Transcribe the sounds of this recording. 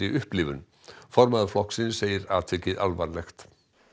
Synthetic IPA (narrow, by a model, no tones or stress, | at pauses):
iʔʏhplɪvʏn | fɔɾmaðflɔhksɪnsejɪɾat̪ʰɪcɪða̰lvaɾlɛxt̪